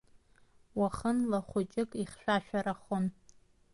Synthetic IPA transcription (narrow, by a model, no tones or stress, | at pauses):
waχənlaχʷʊt͡ʃʼɪkʼiχʃᶣʷaʃᶣʷaɾaχon